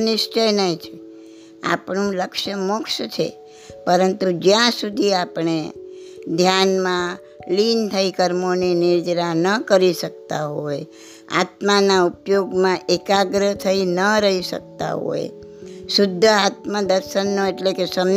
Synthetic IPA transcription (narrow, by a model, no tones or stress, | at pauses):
nɪʃt͡ʃənəĩt͡ʃʰe | a̰pɳũləkʃəmokʃt͡ʃʰḛ | pəɾənt̪ud͡ʒjãsud̪ʱiapɳe | d̪ʱjanmã | lint̪ʰəikəɾmoninɪɾd͡ʒɾanəkəɾiʃək̚t̪aɦoj | a̰t̪manaupjoɡmãʔekaɡɾəɦt̪ʰəinəɾəɦiʃə̰k̚t̪a̰ɦo̰j | sʊd̪ʱːəat̪məd̪əɾʃənːoeʈlekesəm